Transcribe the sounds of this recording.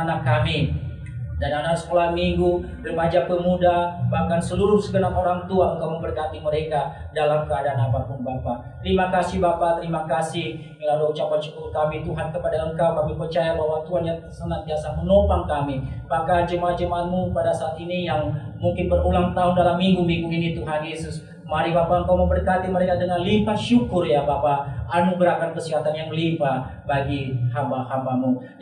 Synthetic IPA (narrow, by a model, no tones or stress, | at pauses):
anakːami | dananaksə̥kolamiŋɡu | bərmad͡ʒakəmudabahkansəluɾʊsəɡənapoɾaŋt̪uaəŋkawməmbərkat̪iməɾeka | dalamkəadaːnapapʊnbapat̪əɾimakasɪhbapat̪əɾimakasɪhməlaluut͡ʃapansə̥kuɾukamit̪uɦankəpadaəŋkawkamipərt͡ʃajabaɦwat̪uɦanɲã | sənant̪iasamənopaŋkamimakad͡ʒəmaad͡ʒəmaʔat̪̚mupadasaːt̪inijaŋmuŋkɪnbərulaŋt̪aʊndalamːiŋɡumiŋɡuinit̪uɦanjesʊs | maɾibapaəŋkawmubərkat̪iməɾekadəŋalimpaʃukʊrjabapaːnuɡɾakankəsiɦat̪anjaŋlipa | baɡihabahabamu